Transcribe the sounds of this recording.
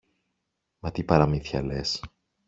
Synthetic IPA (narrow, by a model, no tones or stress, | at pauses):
mɐt̪ipɐɾɐmiθçɐ̰les